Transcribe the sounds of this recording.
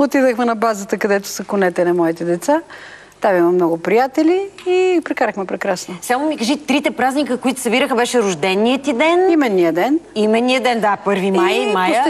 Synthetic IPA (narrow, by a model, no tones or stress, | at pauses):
ot̪id̪əxmɛnɐbazət̪əkɐd̪ɛt̪ʊ̥sɐkʊnɛt̪ɛnɐmɔit̪ɛd̪ɛt̪sa | t̪avimɐmnɔɡʊpɾijat̪ɛlʲiipɾɛkaɾəxmɛpɾɛkɾasnosamʊmikɐʒit̪ɾit̪ɛpɾaznikəkoit̪ʊ̥sɐbiɾəxəbɛʃɛɾʊʒd̪ɛnːijət̪id̪ɛnimɛd̪nijəd̪ɛnimɛd̪niəd̪ɛnd̪apɤɾviajmaj